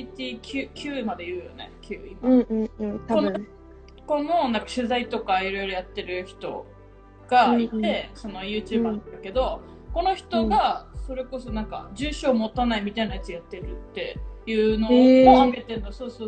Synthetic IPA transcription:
it̪ʲiːkʲʰɨːkʲʰɨːmad̪e̞jɯ̟ːjo̞̰ne̞̰kʲʰɯ̰ːima | kono | ko̞nonãŋkaɕɨzait̪o̞kaiɾo̞jɾo̞jat̪ːe̞ɾɯ̟çi̥t̪o̞ | ɡ̥ait̪e̞so̞no̞jɯ̟ːt͡ɕɨːbaãnd̪ake̞d̪o̞ | ko̞no̞çi̥t̪o̞ɡaso̞ɾe̞ko̞so̞nãŋka̰d͡ʑɨːɕo̞ːmo̞t̪anaimʲit̪ainajat͡sɨjat̪ːe̞ɾɯ̟t̪ːe̞jɯ̟ːno̞moaɡe̞t̪enoso̞ːsoː

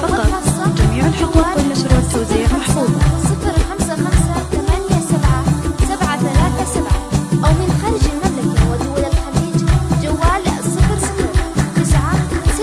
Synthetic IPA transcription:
ɑɑɑsːˤɑd͡ʒamiːʕalaaːʊlːaʃɾuːʕt̪ːawziːamaħfuːd̪ˤɑsˤːɨfɾxamsaxamsat̪amanjasabʕasabʕaθalaːθasabʕaʔawmɪnxaːɾɪd͡ʒɪlmablaɡawazʊwːalalxaliːd͡ʒd͡ʒawːaːlsˤːɨfɾsɪft̪ɪsʕa

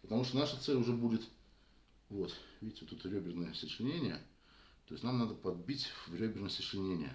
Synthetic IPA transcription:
pət̪ɐmuʂt̪onaʂət̪sɛlʲʊʐɛbudʲɪt̪ | vo̞t̪vʲidʲɪtʲɪot̪ːut̪ɾʲɵbʲɪrnəjəsʲət͡ɕɪnʲenʲɪjə | t̪oɪsʲnamnad̪əpɐd̪̚bʲitʲvrʲɵbʲɪrnəsʲəʂɪnʲenʲɪjə̰

